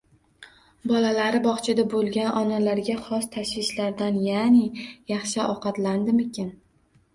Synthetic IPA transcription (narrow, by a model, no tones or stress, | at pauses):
bɒlalaɾɪbɒχt͡ʃʰɪd̪abolˠɡʲanʔɒnalaɾɡʲaχɒst̪ʰaʃwɪʃlaɾd̪anjaːnɪjɑχʃɪʔɒqɑt̪land̪ɪmɪkʲan